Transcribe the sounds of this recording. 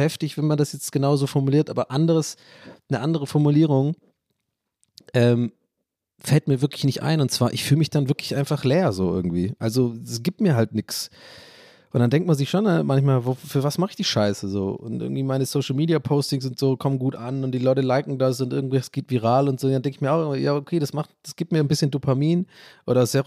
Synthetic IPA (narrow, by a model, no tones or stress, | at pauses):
hɛftɪçv̥ɛnmandasjɛt͡stɡ̥ənaʊzoːfɔɐmuliːɐtʔaːbɐʔandəʁəs | nəʔandəʁ̞əfɔɐmuliːʁ̞ʊŋ | ʔɛːm | fɛlt̚miːɐvɪɐklɪçnɪçtʔa̰ɪnʊntt͡sv̥aːɐʔɪçfyːləmɪçd̥anvɪɐklɪçʔaɪnfaχleːɐzo̰ːʔɪ̰ɐɡŋ̩tv̥ḭːʔalzoɛsɡ̥iːp̚t̚miːɐɦaltnɪks | ʔʊntd̥andɛŋktmanzɪçʃoːnamançmaːlvoːfyːɐvasmaχɪçd̥iːʃaɪsəzo̰ːʔʊ̰ntʔɪ̰ɡŋ̩tv̥iːmaɪnəsoʊʃl̩miːdiapʰoʊstɪŋs̬ʊntz̥oːkʰɔmənɡuːtʔanʊnt̚d̥iːlɔʏtəlaɪkŋ̩das̬ʊntʔɪɐɡŋ̩tvɛçə̥sɡ̥eːtv̥iːʁ̞aːlʊntz̥oːndandɛŋkɪçmiːɐaʊxɪːɡŋ̩vija̰ːokʰeːɾasmaχtd̥asɡ̥iːp̚t̚miːɐnbɪsçəndupʰamiːnʔo̰ːɾɐsa